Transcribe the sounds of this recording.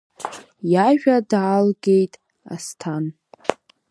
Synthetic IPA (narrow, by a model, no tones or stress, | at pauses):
jaʒᶣadʕalɡe̞jtʼ | a̰stʰan